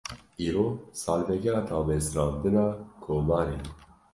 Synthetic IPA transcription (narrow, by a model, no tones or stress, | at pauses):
iːɾoːsɑːlvɛkɛɑt̪ʰɑːbesɾɑːnd̪ɨnɑkʰoːmɑːɾe